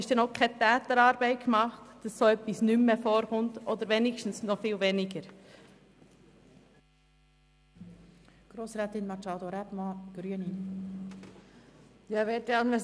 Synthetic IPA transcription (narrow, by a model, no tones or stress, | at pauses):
ɪʃd̥ɛnoʊkʰɛt̪ɛːt̪əɾɑːɾbɛɪt̚kmɑχtd̥ɑsːoœpːisnymːefoːɾχʊntʔod̪əɾʋenɪʃtn̩snɔfiːlʋenɪɡəɾ | ɡ̥ɾoːsɾɛːt̪ɪnmɑt͡ʃɑd̪oɾɛbmɑɡ̥ɾyənin | jɑʋɛːtɛɑnvɛ